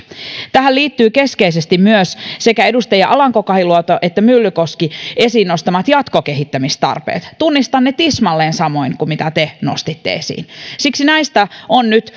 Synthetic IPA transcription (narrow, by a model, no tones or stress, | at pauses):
t̪æhælliːt̪ːyːke̞skeis̬est̪immyøssekæe̞dust̪ɑjɑʔɑlɑŋkokɑhiluot̪oʔet̪ːæmylːykoskiesiːnnost̪ɑmɑt̪jɑt̪kokeɦit̪ːæmist̪ɑ̰rpḛːt̪t̪unːist̪ɑnːet̪ismɑlːeːnsɑmo̞iŋkumit̪æt̪eno̰st̪it̪ːḛesḭːnsiksinæist̪æonnyt̪